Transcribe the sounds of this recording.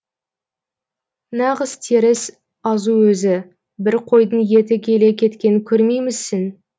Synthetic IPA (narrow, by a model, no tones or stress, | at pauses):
nɑʁəz̥t̪ʰeɾɪs | ɑzuwɵzɪ | bɪɾqʰo̞jd̪ənje̞t̪ɪkʲʰe̞le̞kʲʰe̞t̪kʲe̞nɪkʲʰɵɾmejmɪzsːɪn